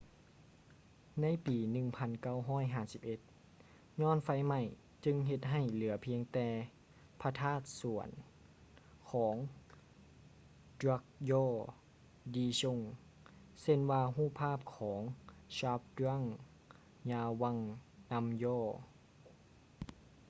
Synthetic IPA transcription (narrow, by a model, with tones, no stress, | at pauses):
na˧˥˨jpiː˨˩nɯ˧˩ŋpʰa˧˥nka˧˥˩wɦɔː˧˥˩jɦaː˧˩si˧˦p̚ʔe˧˦t̪̚ | ɲɔː˧˥˨nfa˧˥jma˧˩j | t͡ɕɯ˧ŋɦe˧t̪̚ɦa˧˩jlɯ˩˦ɐpʰi˧əŋt̪ɛː˧ | pʰa˧t̪ʰaː˥˩t̪̚su˨˩˦ən | kʰɔː˩˦ŋ | dɾa˧˥k̚jɔː˧˥˩ | diː˧ɕo˧˨ŋ | se˧˥˨nwaː˧ɦuː˥˩pʰːaː˥˩˨p̚kʰɔː˩˦ŋɕaː˧˦˥p̚da˧˥˨ŋ | ɲaː˧wa˧˨ŋna˧˥mjɔː˧˥˩